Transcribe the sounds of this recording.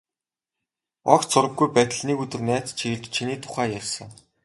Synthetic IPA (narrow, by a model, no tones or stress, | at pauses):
ɔ̰kt͡sʊɾə̆ɡːujpæt̪̆ʲɮniːkɵt̪ɵ̆rnæːt͡st͡ɕʰiɣɘ̆ɮt͡ɕt͡ɕʰiniːt̪ʰʊ̥χæːjærʲsə̆ŋ